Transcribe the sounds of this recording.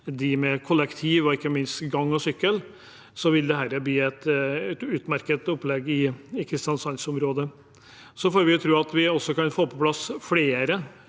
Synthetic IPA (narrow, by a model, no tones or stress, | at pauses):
d̪ɪmɛkʰʊlɛkt̪ʰiːʋɔɪkːəmɪnst̪ɡɑŋːɔsʏkːəl | sɔʋɪld̪ɛɦæɾəbliːɛt̪ɛt̪ʉːt̪mæɾkət̪ʊpːlɛɡɪɪkʰɾɪst̪ɪɑnsɑnsʊmɾoːd̪ə | sɔfoːɾʋɪʊt̪ʰɾʉːɑt̪ʋɪɔsːɔkɑnfoːpʰɔpʰlɑsfleːɾə